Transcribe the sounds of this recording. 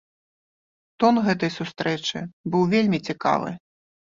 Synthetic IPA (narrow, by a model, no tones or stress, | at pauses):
t̪ɔnɣɛt̪ɐjsust̪ɾɛt͡ʂɨ̰bɨwvʲelʲmʲit͡sʲika̰vɨ̰